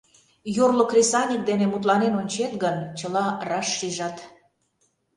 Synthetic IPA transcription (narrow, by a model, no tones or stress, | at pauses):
jorlokrʲesɑnʲik̚d̪enemut̪lɑnenonʲt͡ɕet̪ɡənt͡ɕəlɑrɑʃːiʒɑt̪